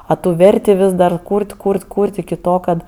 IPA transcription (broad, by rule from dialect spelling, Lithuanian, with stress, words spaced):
ɐ ˈtuː ˈʋʲɛrʲtʲɪ ˈʋʲɪs dɐr ˈkuːrʲtʲ ˈkuːrʲtʲ ˈkuːrʲtʲ ɪkʲɪ ˈtoː ˈkɐt